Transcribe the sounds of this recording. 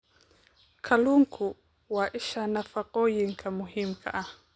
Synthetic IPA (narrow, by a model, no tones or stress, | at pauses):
kʰaluŋkʰu | waʔiʃanafaqɔjiŋkamuɦim̩kʰaʔa